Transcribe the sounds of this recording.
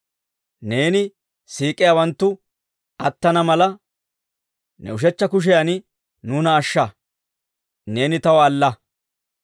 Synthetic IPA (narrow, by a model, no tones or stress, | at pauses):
ne̞ːnɪ | siːkʼːɪjawɐnt̪ːʊ | ɐt̪ːɐnɐmɐlɐ | nɛ̰ʊʃ̬ɛt͡ʃːɐkʊʃ̬ɛjanɪ | nuːnɐːʃːɐ | ne̞ːnɪt̪ɐwɐːlːɐ